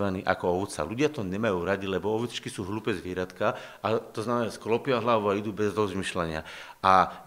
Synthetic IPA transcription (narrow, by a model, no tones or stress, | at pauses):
ʋaniːʔa̰kɔɔʋt̪t͡sa̰luɟɪat̪ɔɲɛmajuːɾaɟ̪ilɛbɔɔʋɛt͡st͡ʃkisuːɦluːpɛzʋɪɛɾat̪ka | at̪ɔznamɛnasklɔpɪjaɦlaʋuaid̪uːbɛzɾɔzmiːʃlaɲɪa̰ | a